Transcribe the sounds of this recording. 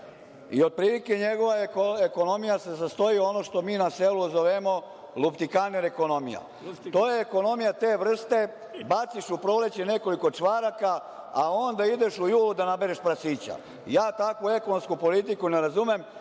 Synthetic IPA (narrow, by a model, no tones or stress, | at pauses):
ḭo̞d̪̚pɾilike̞ɲeɡo̞ʋaekono̞mijasezast̪ojio̞no̞ʃt̪o̞miːnaseluzoʋemo̞ | lupt̪ikaneɾeko̞no̞mḭja̰ | o̞ːjeːko̞no̞mijat̪e̞ːʋr̩st̪e̞ | bat̪siʃupɾo̞le̞t͡ɕene̞ko̞liko̞t͡ʂʋaɾaka | ao̞nd̪aid̪e̞ʃujuːlud̪anabe̞ɾeʃpɾasiːt͡ɕa̰ | jaːt̪akʋue̞konomskupo̞lit̪ikuneɾazumem